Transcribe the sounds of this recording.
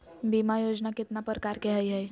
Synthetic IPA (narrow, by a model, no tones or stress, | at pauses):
bimajoːd͡ʒnakɪt̪napəɾkaːɾkeɦəjɦəj